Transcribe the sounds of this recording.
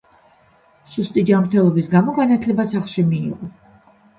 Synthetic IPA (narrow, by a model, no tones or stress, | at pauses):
sust̪ʼid͡ʒamɾt̪ʰɛlˠɔbisɡamɔɡanat̪ʰlɛbasaχlˠʃimiːʁɔ